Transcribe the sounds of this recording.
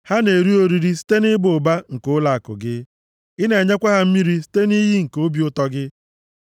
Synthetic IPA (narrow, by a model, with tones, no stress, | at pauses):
ha˦ne˨ɾi˦o˨ɾi˨ɾi˦s̬i̥˦te˦nɪ˦bʊ˨ba˦ŋ̩˨kʊ˦la˨a˨kʊ̰˨ɡɪ˦ | ɪ˦ne˨ɲe˦kʷa˦ɦa˦m̩˦mi˦ɾi˦si̥˦te˦ni˦ɦi˦ŋ̩˨ko˦bi˨ʊ˦tɔ˦ɡɪ˦